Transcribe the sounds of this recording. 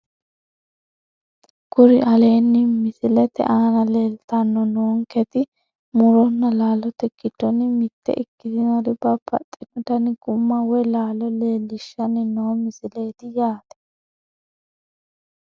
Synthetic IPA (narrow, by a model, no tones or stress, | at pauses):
kʊɾɪʔɐle̞ːnːɪmɪsɪlɛt̪ɛ̰ʔaːnɐle̞ːlt̪ɐnːɔnoːŋkɛt̪ɪ | mʊɾɔnːɐlaːlɔt̪ɛkːɪd̪ɔnɪmɪt̪ːɛ̰ʔɪkːɪt̪ɪnɐɾɪbɐbɐ̰t̪ʼːɪnɔt̪ɐnɪɡʊmːɐwɔlaːlɔle̞ːlːɪʃːɐnɪnoːmɪsɪleːt̪ɪjaːt̪ɛ̥